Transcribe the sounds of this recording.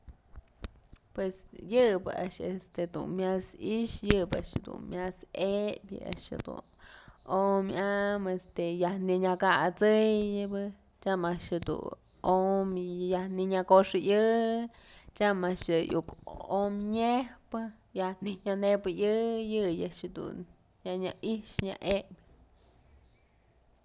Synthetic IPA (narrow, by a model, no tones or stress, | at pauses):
pwesjɨbɨ̰ʔa̰ʔʃḛst̪ed̪ṵnmjasiʃjɨba̰ʃhed̪ṵnmjasebʲjɨ̰a̰ʔʃhḛd̪ṵnomjamest̪ejahniɲakat͡sɨjɨbɨ | t͡ʃamaʔʃhed̪ṵn | omjahniɲakoʂɨʔjɨ | t͡ʃamaʔʂjɨjukomɲehpɨ | jahniɲanebɨjɨjɨjaʔʂhed̪ṵn | jaɲaʔiʂɲa̰ʔebʲ